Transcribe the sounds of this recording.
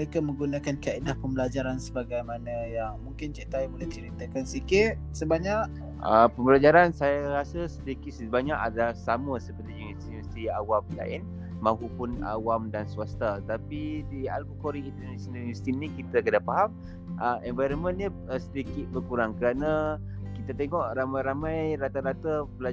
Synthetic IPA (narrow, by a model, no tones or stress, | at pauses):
əɾekamə̃ŋɡunakankaidahpəmbəlad͡ʒaɾansəbaɡajmanəjaŋmuŋkɪnt͡ʃiʔt̪aibulɛht͡ʃəɾit̪akansikɪt̪̚səbaɲaʔ̚ | əpəmbəlad͡ʒaɾansajaɾasəsəd̪ikit̪̚səbaɲaʔadalahsaməsəpərt̪ijunist̪ijunast̪iawamla̰ɪ̰n | mãɦupʊna̰wamdansuast̪at̪apidia̰lbukoɾiːnt̪ənasonaljunist̪inĩkit̪akədapaɦam | ʔəɛnvajɾənmə̃nɲə | sədikɪt̪̚bərkuɾaŋkəɾanə | kit̪at̪eŋɔʔramajɾamajɾat̪aɾat̪abəl